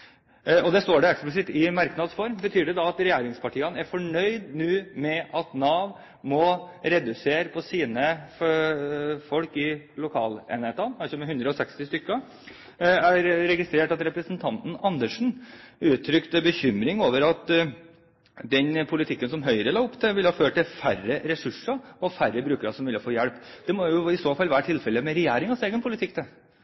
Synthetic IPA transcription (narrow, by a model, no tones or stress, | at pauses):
ɔd̪ɛst̪oːɖɛɛksplɪs̬ɪt̪ːɪmɑɾknɑd̪sfɔɾmbət̪ʰyːɖɛd̪ɑɑt̪ɾɛjæːɾɪŋspʰɑʈʰiːənəæɾfɔɳœʏd̪nʉːmɛʔɑt̪nɑːʋ | mɔɾɛd̪ʉseːɾəpʰɔsiːnə | fɔlkɪlʊkʰɑ̰ːlḛːnɛt̪ɑnɑsɔmɛhʉnd̪ɾəɔsɛkst̪ɪst̪ʏkːə | æɾɾɛɡɪst̪ɾeːʈɑt̪ɾɛpɾəsn̩t̪ʰɑnt̪n̩ɑnd̪əʂn̩ʉːt̪ʰːɾʏkt̪əbəçʏmɾɪŋoːʋəɾɑt̪ | d̪ɛnpʰʊlɪt̪ʰɪkːənsɔmɦœʏɾəlɑːʊpːt̪ʰɪʋɪlːhɑːføːʈʈ̪t̪ɪlfærəɾɛsʉʂəɔfærəbɾʉːkəɾɑsɔmʋʉlɪfoːjɛɭpːd̪̥ɛmɔjʊɪsoːfɑlːʋæːɾəʈʰɪlfɛlːəmɛɾɛjæːɾɪŋɑseːɡənpʰʊlɪt̪ʰɪk̚ːt̪ʰɛ